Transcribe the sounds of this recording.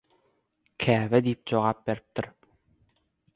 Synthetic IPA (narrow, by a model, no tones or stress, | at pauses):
kʰæːβɛd̪iːp̚d͡ʑoʁɑːp̚beɾip̚t̪iɾ